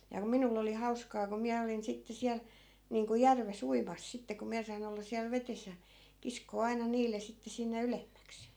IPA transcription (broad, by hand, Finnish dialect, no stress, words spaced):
jɑ ku minulː oli hɑuskɑː ko miæ olin sitːe siæl niːŋku jærʋes uimɑs sitːe ko miæ sɑin olːɑ siæl ʋetes jɑ kiskoː ɑinɑ niːlˑe sitːe sinːe ylemːæks